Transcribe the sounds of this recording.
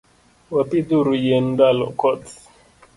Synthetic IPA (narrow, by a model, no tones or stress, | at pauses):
wapid̪uɾujɛndalɔ̰kɔt